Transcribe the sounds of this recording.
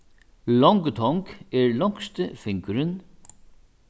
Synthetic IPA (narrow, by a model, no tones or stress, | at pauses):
lɔŋkt̪ʰɔŋkɛɹlɔŋ̥kst̪əfɪŋkʏɾɪn